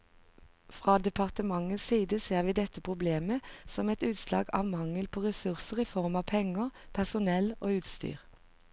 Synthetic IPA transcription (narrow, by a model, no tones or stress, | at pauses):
fʁɑːd̪ɛpʰɑʁt̪əmɑŋənssiːd̪əseːʁʋiːd̪ɛt̪ːəpʰʁʊbleːməsɔmɛt̪ʉːt̪slɑ̰ːɡɑ̰ːʋmɑŋəlpʰoːʁɛsʉʁsəʁiːfɔʁmɑːʋpʰɛŋəʁpʰæʁsʊnɛloːʉːt̪st̪y̰ːʁ